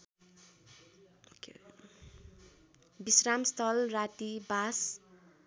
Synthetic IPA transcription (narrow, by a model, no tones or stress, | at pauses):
ke | bisramst̪ʰʌlrat̪ibas